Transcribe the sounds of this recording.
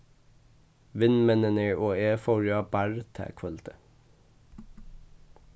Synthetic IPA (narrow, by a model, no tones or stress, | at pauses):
ʋɪnmɛnəneːɹʔoːeːfɔɹjɑːbæɹt̪ʰæ̰ːkʰʋœlt̪ʰə̥